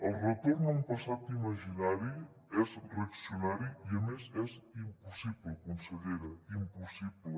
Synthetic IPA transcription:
ɐlret̪oɾnɐũpɐsat̪imɐʒinaɾju | ɛsrɐksjunaɾjuiɐmesɛsimpusiβlkõnseʎeɾɐimpusiβl

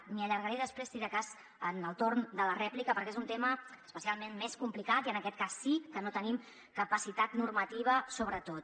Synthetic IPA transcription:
miəʎəɾɣəɾeðəspɾest̪iɾəkaz | ənəlˠt̪oɾnd̪ələrɛplikəpəɾkezunt̪eməəspəsialˠmenmeskumplikat̪iənəkɛt̪̚kasːikənot̪ənim | kəpəsit̪at̪nurmət̪iβ̞əsoβɾət̪ot̪

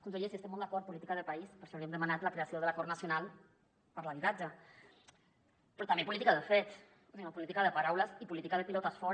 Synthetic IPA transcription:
kunseʎesiəst̪emold̪akɔɾt̪̚pulit̪ikaðəpaispəɾʃɔawɾiəmd̪əmanat̪lakɾeasioðəlakɔɾnasjonal | pəɾlaβit̪ad͡ʒa | pɾɔt̪ambepulit̪ikaðəfet̪s | osiɣampulit̪ikaðəpaɾawləsipulit̪ikaðəpilɔt̪asfɔ

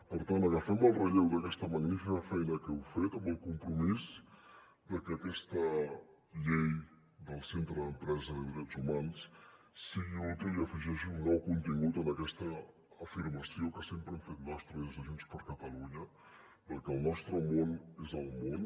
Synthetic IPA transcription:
pəɾt̪ant̪əɣəfɛməlˠrəʎɛwd̪əkɛst̪əməɣnifikəfɛjnəkɛwfet̪əmbəlˠkumpɾumiz | d̪əkəːkɛst̪ə | ʎej | d̪əlˠsent̪ɾəðəmpɾɛzəðəðiɾɛtzumans | siɣiulˠt̪əiəfiʒɛʃiuŋɡɾawkunt̪iŋɡut̪ənəkɛst̪əː | fiɾməsiokəsempɾəɛmfet̪̚nɔst̪ɾəezəʒunspəɾkət̪əluɲə | pəɾkəəlˠnɔst̪ɾəmonezəlˠmon

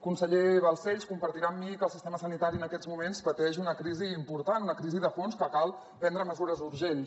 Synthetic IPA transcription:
kunsəʎeβəlˠsɛʎskumpəɾt̪iɾamːikəlˠsist̪eməsənit̪aɾiənəkɛd͡zmumenspət̪ɛʒunəkɾiziːmpuɾt̪anunəkɾiziðəfonskəkalˠ | pɛnd̪ɾəməzuɾəzuɾʒen

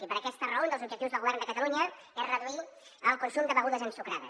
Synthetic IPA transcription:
ipəɾəkɛst̪ərəond̪lˠzub̚ʒək̚t̪iwzðəlˠɣuβɛrnd̪əkət̪əluɲə | ɛzrəðui | əlˠkunsumd̪əβəɣuðəzənsukɾaðə̰s

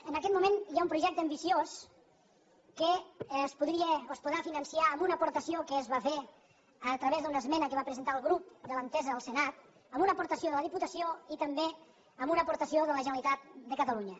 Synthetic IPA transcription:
ənəkɛt̪mumenjaumpɾuʒɛk̚t̪əːmbisios | kəspuðɾiəoəspuðɾafinənsiaəmbunəpuɾt̪əsiokəːzβafe | ət̪ɾəβezðunəzmɛnəkəβapɾəzənt̪aəlˠɣɾup̚d̪ələnt̪ɛzəəlˠsənat̪ | əmunəpuɾt̪əsioðələðiput̪əsioit̪əmbe | əmbunəpuɾt̪əsioðələʒənəlit̪at̪̚d̪əkət̪əluɲə

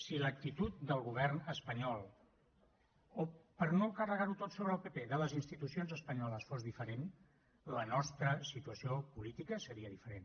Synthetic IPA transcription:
silək̚t̪it̪ut̪̚d̪əlˠɣuβ̞ɛrnəspəɲɔlˠ | opəɾnokərəɣaɾut̪ot̪soβɾəlˠpepeðələzinst̪it̪usionzəspəɲɔləsfozðifəɾen | lənɔst̪ɾəsit̪uəsiopulit̪ikəsəɾiəðifəɾen

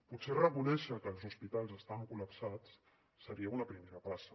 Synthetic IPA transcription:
putserəkunɛʃəkəːlˠzuspit̪alˠzəst̪aβəŋkuləpsat͡s | səɾiəunəpɾimeɾəpasə

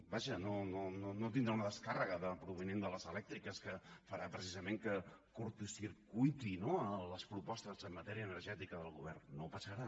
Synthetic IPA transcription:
baʒənonononot̪̬ind̪ɾaunəðəskarəɣəðəpɾuβ̞inend̪ələzəlɛk̚t̪ɾikəskəfəɾapɾəsizəmeŋkəkuɾt̪usiɾkujt̪inoələspɾupɔst̪əzəmːət̪ɛɾiəːnərʒɛt̪ikəðəlˠɣuβ̞ɛrnːopəsəɾa

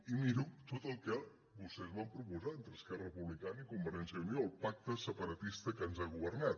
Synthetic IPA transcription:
imiɾut̪ot̪əlˠkə | βust̪ɛzβampɾupuzaənt̪ɾəskɛrəəpuβlikanikumbəɾɛnsəunioəlˠpak̚t̪əsəpəɾət̪ist̪əkənzaɣuβərnat̪̚

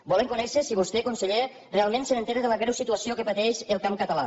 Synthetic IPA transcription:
bɔleŋkunɛʃesiβust̪ekunseʎe | realˠmẽnsenent̪eɾeðələɣɾɛwsit̪uəsiokəpat̪ɛʃelˠkamkət̪əla̰

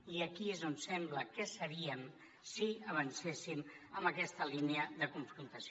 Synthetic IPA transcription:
iəkiezonsɛmbləkɛsəβiəm | siəβ̞ənsesiməmbəkɛst̪əlineəðəkuɱfɾunt̪əs

